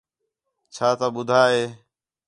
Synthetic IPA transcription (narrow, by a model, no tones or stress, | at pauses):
t͡ʃʰaːt̪aːɓʊd̪ʱaːɦeː